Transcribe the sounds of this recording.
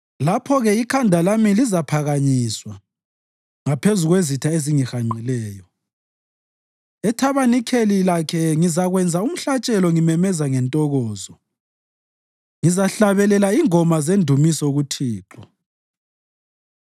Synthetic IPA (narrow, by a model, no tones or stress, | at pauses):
lapʰɔɣɛikʰandʱalamilizapʰaɣaɲiːswa | ŋapʰezuɣwezitʰaeziŋixaŋ͡ǀʱilɛːjɔ | ɛtʰaβanikʰelilakʰɛŋizaɣwɛnd͡zʱaum̩ɬat͡ʃʼɛlɔŋimɛmɛzaŋɛntʼɔɣɔːzɔ | ŋizaɬaβɛlɛlaiŋɔmazendʱumisɔɣutʰiːǁɔ